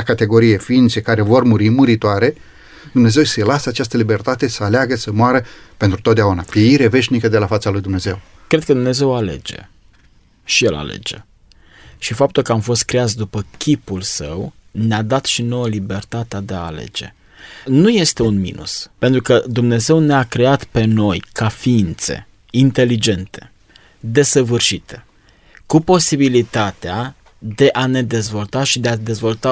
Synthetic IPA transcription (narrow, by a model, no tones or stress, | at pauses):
kat̪e̞ɡo̞ɾije̞fiint̪sekaɾe̞vo̞rmuɾimɨɾit̪oaɾe̞ | d̪umne̞ze̞wselasəat͡ʃast̪əlibe̞rt̪at̪e̞səaleaɡəsəmoaɾəpent̪ɾut̪ot̪d̪eaunapjeiɾeve̞ʃnikəd̪e̞lafat̪salujd̪umne̞ze̞w | kɾe̞d̪̚kəd̪umne̞ze̞wale̞̰d͡ʒe̞̰ | ʃijela̰lḛd͡ʒḛ | ʃifap̚t̪ulkəamfo̞st̪̚kɾejat̪sd̪upəkʲipulsəwnead̪at̪ʃino̞wəlibe̞rt̪at̪ead̪e̞aːle̞̰d͡ʒe̞̰ | nuje̞st̪e̞unmḭnʔṵspe̞nt̪ɾukəd̪umne̞ze̞wneakɾe̞at̪pe̞no̞jkafiint̪se̞̰ | int̪e̞lid͡ʒe̞nt̪e̞̥̰ | d̪e̞səvɨrʃit̪e̞̥ | kupo̞sibilit̪at̪ea | d̪e̞ʔane̞d̪e̞zvo̞lt̪aʃid̪e̞ad̪e̞zvo̞lt̪a